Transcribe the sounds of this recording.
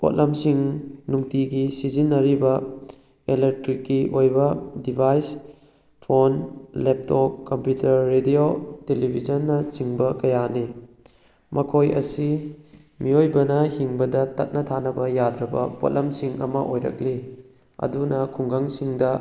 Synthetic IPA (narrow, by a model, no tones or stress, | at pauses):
po̰t̚lɐmsiŋnuŋtiɡisizinːɐɾibɐ | elek̚tɾikːiʔojbɐdibʱajs | pʰonlep̚tokːɐmpjutʰɐɾːedijotelibʱizɐnːɐt͡ʃiŋbɐkɐjani | mɐkʰojɐ̰si | miojbɐnɐhiŋbɐdɐtɐt̚nɐtʰanɐbɐjadɾɐbɐ̰po̰t̚lɐmsiŋɐ̰mɐʔojɾɐ̰k̚li | ɐ̰dunɐkʰuŋɡaŋsiŋdɐ